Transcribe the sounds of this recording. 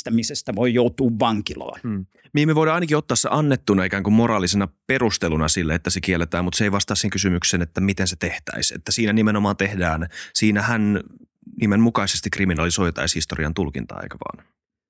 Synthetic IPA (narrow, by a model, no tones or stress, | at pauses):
t̪æmisest̪æʋoijout̪uːʋʋɑŋkilɑ̰ːnː | miemːieʋojɾɑɑinɑkiot̪ːɑːsseʔɑnːet̪ːunɑekæːŋkummoɾɑːlisenɑperust̪elunɑsilːeet̪ːæsekielːet̪æːmut̪seiʋɑst̪ɑːseŋkysymyksenet̪ːæmit̪enset̪eht̪æ̰isḛt̪ːæsiːnænimenomɑːnt̪ehdæːnsiːnæhæn | nimemmukɑisest̪ikriminɑlisoit̪ɑ̰ishist̪oriɑ̰nt̪ulkḭnt̪ɑ̰ɑ̰kɑʋɑ̰ːn